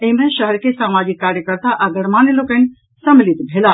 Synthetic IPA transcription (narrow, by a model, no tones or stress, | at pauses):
emẽʃɐɦɾkesaːmaːd͡ʒɪkːaːɾjəkəɾt̪aʔɐɡəɽmaːnelokən | sɐmɪlit̪bʱelaː